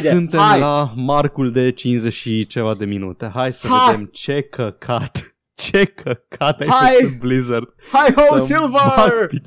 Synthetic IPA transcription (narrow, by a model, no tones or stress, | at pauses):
sɨnt̪eajlamarkuld̪e̞t͡ʃinzeʃit͡ʃe̞vad̪e̞minut̪e̞ɦajsəveaemt͡ʃe̞kʰəkʰat̪ | t͡ʃe̞kʰəkʰat̪ajaj̪blizərd̪̥̚ | hajhowsilvəapi